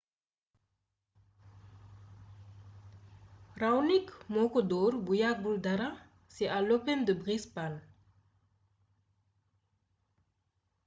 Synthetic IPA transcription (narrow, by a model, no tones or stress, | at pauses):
rawnikmokod̪oɾbujaɡuld̪aɾa | seʔalopɛmd̪əbʁispan